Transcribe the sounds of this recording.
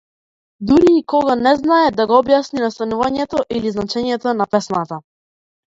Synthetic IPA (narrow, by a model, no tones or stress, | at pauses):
d̪uɾiːkɔɡanɛznaɛd̪aɡɔɔbjasninast̪anuvaɲɛt̪ɔʔiliznat͡ʃɛɲɛt̪ɔnapɛsnat̪a